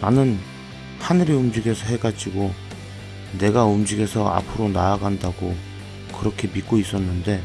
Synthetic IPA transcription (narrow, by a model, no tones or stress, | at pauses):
nanɯn | hanɯɾiumd͡ʑiɡe̞sʰʌɦe̞ɡad͡ʑiɡo | ne̞ɡaumd͡ʑiɡe̞sʰʌa̰pʰɯɾonaaɡandaɡo | kɯɾʌkʰe̞mik̚k͈ois͈ʌnːɯnde̞